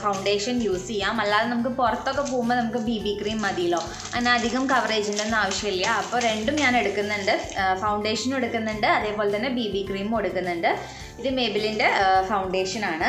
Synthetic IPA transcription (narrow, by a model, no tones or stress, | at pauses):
fɐwɳɖe̞ːʂɐnjuːsijːaːmɐlːaːðenɐmuk̬ːɨpurɐt̪ːo̞kːe̞p̬oːɣumːɐnɐmukːɨbiːbikriːmmɐd̪ijilo̞ː | ɐnːeɐd̪ʱiɣɐmkɐʋɐre̞ːd͡ʑinɖenːaːʋɐʂjɐiljːɐɐpːo̞ːɾe̞ɳɖumɲaːne̞ɽukːunːeɳɖɨfɐwɳɖe̞ːʂɐno̞ɽukːunːuɳɖɨɐðe̞ːpo̞ːlet̪ɐnːe̞biːbiːkriːmmo̞ɽukːunːuɳɖɨ | iðɨme̞ːbilinde̞fɐwɳɖe̞ːʂɐnaːɳɨ